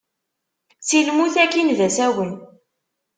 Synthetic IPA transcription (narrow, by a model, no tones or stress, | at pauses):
t͡silmuθækinðæsæwən